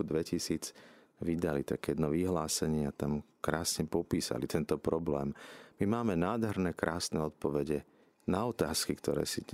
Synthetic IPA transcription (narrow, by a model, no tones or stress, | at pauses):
ud̪ʋɛcisiːd͡z | ʋid̪alit̪akjɛd̪nɔʋiɦlaːsɛɲɪɛat̪am | kɾaːsɲɛpɔpiːsa̰lit̪ɛnt̪ɔpɾɔblɛːmmimaːmɛnaːd̪ɦɛɾnɛkɾʔaːsnɛɔt̪̚pɔʋɛɟɛ | naɔt̪aːskikt̪ɔɾɛ̰ːsi